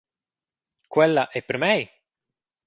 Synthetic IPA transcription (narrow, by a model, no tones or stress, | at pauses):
kwɛlːaʔɛpːeɾmɛj